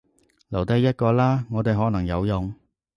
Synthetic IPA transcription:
lɐ˨˩wt̪ɐ˧˥jjɐ˥t̚kɔː˧laː˥ŋɔː˨˧t̪e˨jɦɔː˨˥nɐ˨˩ŋjɐ˨˧wjʊ˨ŋ

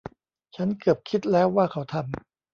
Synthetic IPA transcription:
t͡ɕʰa˦˥nkɯ˨˩p̚kʰi˦˥t̪̚lɛː˦˥wːaː˥˩kʰa˦˥wt̪ʰa˧m

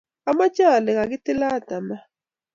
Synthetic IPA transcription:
a˦ma˦t͡ʃa˦˨lɛ˨ɣa˨k̬i˦ti˦la˦˨ta˨ma˨

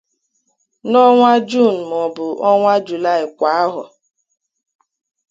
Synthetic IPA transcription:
nɔ˦ŋʷa˦d͡ʒu˦˨n̩˨m˨ɔ˨bʊ˨ʔɔ˦ŋʷa˦d͡ʒu˨la˦˨ɪ˨kʷa˨a˦ɦʊ̰˨

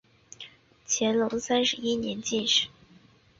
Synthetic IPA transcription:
t͡ɕʰjɛ˧˥nlo˧˥ʊsa˥nʂɻ̩˧˥i˥njɛ˧˥nt͡ɕi˥˩nʂɻ̩˨˩˦

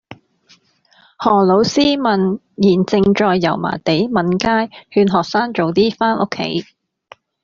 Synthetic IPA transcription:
hɔː˨˩lo˨˥wsiː˥mɐ˨n | jiː˨˩nt͡sɪ˧ŋt͡ʃɔː˧jːɐ̰˨˩wma̰ː˨˩t̪e˨˥jmɐ˨˥nkaː˥jhyː˧nɦɔː˨k̚saː˥ŋt͡so˨wt̪iː˥faː˥nʔʊ̰˥kʰːḛ˨˥j

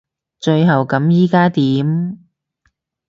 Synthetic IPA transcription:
t͡ʃɵ˧ɥɦɐ˨˩wkɐ˨˥mjiː˥kaː˥t̪iː˨˥m

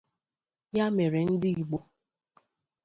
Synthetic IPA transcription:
ja˦me˨ɾe˨n̩˦dɪ˦i˨ɡ͡bo˦

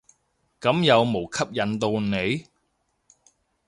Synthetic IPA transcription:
kɐ˨˥mjɐ˨˧wmo˨˩wkʰɐ˥p̚jɐ˨˧nt̪o˧wne˨˧j

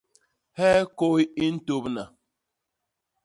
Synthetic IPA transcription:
hɛː˦ko˦i˦i˦n̩˦to˦pna˨

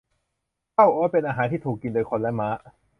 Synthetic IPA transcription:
tʰa˥˩wʔoː˦˥˩pe˧nʔaː˧ɦaː˩˦t̪ʰiː˥˩t̪ʰuː˨˩kːi˧ndoː˧jkʰo˧nlɛ˦˥ma˦˥ʔ

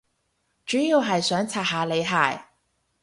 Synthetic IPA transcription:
t͡ʃyː˨˥jiː˧wɦɐ˨jsœː˨˥ŋt͡sʰaː˨˩haː˨˧le˨˧jɦa̰ː˨˩j

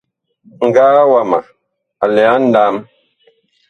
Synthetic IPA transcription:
ŋ̩˨ɡaː˦wa˦˨ma˨ | a˨lɛ˨a˦n̩˦da˦m

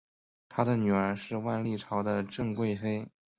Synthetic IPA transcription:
t̪ʰa˥d̪ə˨ny˨˩ə˞˧˥ʂɻ̩˥˧wa˥˧nli˥˩ʈ͡ʂʰɑ˧˥ʊd̪ə˧ʈ͡ʂɤ˥˧ŋkwe˥˩ɪfe˥ɪ

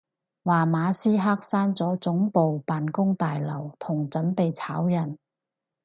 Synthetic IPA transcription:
waː˨maː˨˧siː˥ɦaː˥k̚saː˥nt͡sɔː˨˥t͡sʊ˨˥ŋpo˨wpaː˨nkʊ˥ŋt̪aː˨jlɐ˨˩wt̪ʰʊ˨˩ŋt͡sɵ˨˥npe˨jt͡sʰaː˨˥wjɐ˨˩n

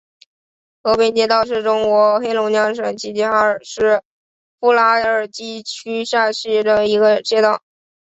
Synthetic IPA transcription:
xɤ˧˥pi˥nt͡ɕjɛ˥˧t̪ɑ˥˧ʊʂɻ̩˥˩ʈ͡ʂʊ˥ŋkwɔ˧˥xe˥ɪlʊ˧˥ŋt͡ɕjɑ˥ŋʂə˨˩nt͡ɕʰi˥t͡ɕi˥xa˥ə˞˨˩ʂɻ̩˥˩ | fu˥la˥ə˞˨˩t͡ɕi˥t͡ɕʰy˥ɕa˥˧ɕi˥˩d̪ə˩i˧˥ɡə˧t͡ɕjɛ˥t̪ɑ˥˩ʊ

